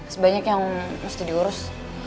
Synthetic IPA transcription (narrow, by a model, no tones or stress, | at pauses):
səbaɲakjaŋməst̪ɪdiuɾʊs